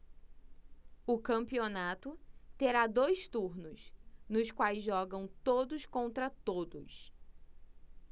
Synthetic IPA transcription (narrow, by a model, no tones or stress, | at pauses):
ʊkɐ̃mpionat̪ʊt̪eɾad̪ojst̪uɾnʊsnʊskwajzʒɔɡɐ̃w̃t̪od̪ʊskõnt̪ɾɐt̪od̪ʊ̰s